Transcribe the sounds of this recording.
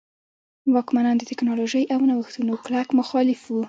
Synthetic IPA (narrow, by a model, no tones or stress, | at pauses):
wɑkmanɑnd̪ət̪ɪknɑloʒəjawnawəxt̪unoklakmʊxɑlɪfwu